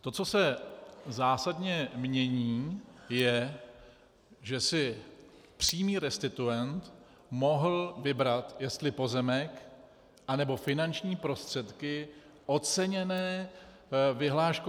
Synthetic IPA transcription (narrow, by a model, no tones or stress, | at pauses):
t̪o̞t͡so̞sɛzaːsadɲɛmɲɛɲiːjɛ | ʒɛsɪ | pr̝̥iːmiːɾɛst̪ɪt̪ujɛnt̪ | mo̞ɦl̩vɪbɾat̪jɛst̪lɪpo̞zɛmɛk | ʔanɛbo̞fɪnant͡ʃɲiːpɾo̞st̪r̝̥ɛt̪kɪ | ʔo̞t̪t͡sɛɲɛnɛː | vɪɦlaːʃk